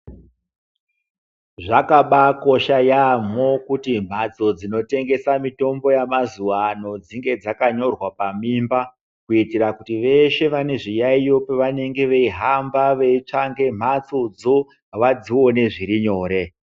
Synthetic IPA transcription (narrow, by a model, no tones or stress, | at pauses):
ʐakaɓako̞ʃajamo̞kutim̤at͡so̞d͡zino̞te̞ŋɡe̞samito̞mbo̞jamazuʋano̞d͡ziŋɡe̞d͡zakaɲo̞rwapamiːmba | kuitirakutiʋe̞ʃe̞ʋane̞ʐijaijo̞peʋane̞ŋɡe̞ʋeiɦambaʋe̞it͡ʂaŋɡe̞m̤at͡so̞d͡zo̞ | ʋad͡ziwo̞ne̞ʐiɾiɲo̞ːɾe̞